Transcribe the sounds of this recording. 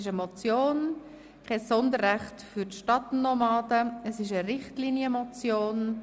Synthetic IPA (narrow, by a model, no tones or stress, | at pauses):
ɪʃəmɔt͡sjoːn | kʰɛsɔndərʁæχtfyɾtʃtɑtnɔmɑːdəəsɪʃəɾɪχtliːnjəmɔt͡sjoːn